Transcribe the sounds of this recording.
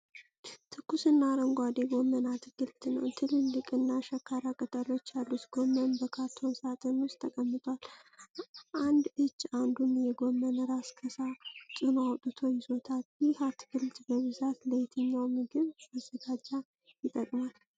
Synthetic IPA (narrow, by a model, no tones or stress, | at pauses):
t̪ʰɨkːusɨnːaɾəŋɡʷad̪eɡo̞mənat̪ɡ̥ɨlt̪ʰɨnə̰wt̪ʰɨlɨnlɨkʼɨnːaʃɛkʰːaɾakʼət̪ʼəlo̞t͡ʃːjalːut̪ɡ̥omːənbəkʰat̪ʰːo̞nsat̪ʼənʊstt̪ʰːəkʼəmːɨt̪ʼwal | ʔand̪ɨt͡ʃːand̪unjɛɡo̞mːənəɾaskʰəsat̪ʼɨnoawt̪ʼɨt̪ʰo̞ɲso̞t̪ʰatjɪhat̪ɡɨlt̪bəβɨzat̪ləjt̪ʰɨɲːawmiɡɨβazːəɡad͡ʒːa | jɪt̪ʼːəkʼmal